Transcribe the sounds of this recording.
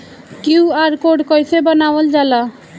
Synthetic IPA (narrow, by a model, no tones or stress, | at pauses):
kjuaɾkoɽkʌjsʰebʌnawʌld͡zala